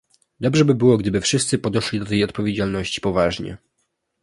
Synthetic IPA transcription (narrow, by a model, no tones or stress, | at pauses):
d̪ɔbʐɛbɘbɘwɔɡd̪ɘbɘfʂɘst̪sɘpɔd̪ɛʂlʲid̪ɔt̪ɛjɔt̪̚pɔvʲjed͡ʑalnɔɕt͡ɕi̥pɔvaʐɲɛ̰